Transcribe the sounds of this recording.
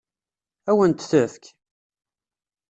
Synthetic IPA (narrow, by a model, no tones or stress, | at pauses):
æwənt̪θəθk